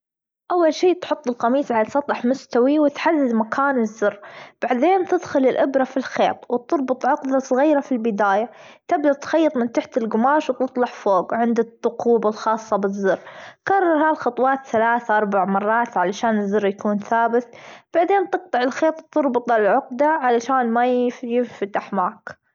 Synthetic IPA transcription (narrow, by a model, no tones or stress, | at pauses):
ʔawːalʃiːt̪ħʊt̪ˤːɪlqɑmiːsʕalasˤɑt̪ˤːɑħmʊst̪awiwɪt̪ħad̪ːɪd̪makʰaːnɪzːʊrːb̥aʕd̪eːnt̪ɪd̪xʊlɪlʔɪbɾafilxḛːt̪ˤwɪt̪ʊɾˤbɨt̪ˤʕʊqd̪asˤɣiːɾafilbɪd̪aːja | t̪ɪbd̪at̪xɑjːɨt̪ˤmɪnt̪aħt̪ɪlɡʊmaːʃwt̪ɨt̪ˤlɑħfoːɡʕɪnd̪ɪt̪ˤːʊquːbalxɑːsˤːɑbɪzːʊrːkɑrˤːɑɾˤhaːlxɑt̪ˤwɑːt̪θalaːθaʔɑɾˤbaʕmɑrˤːɑːt̪ʕalaʃaːnɪzːɑrˤːjakuːnθaːbɪt̪b̥aʕd̪eːnt̪ɨq̚t̪ɑʕɪlxeːt̪ˤwt̪ʊɾˤbɨt̪ˤɑlʕʊqd̪aʕalaʃaːnmajfjɪfat̪ːaħmaːk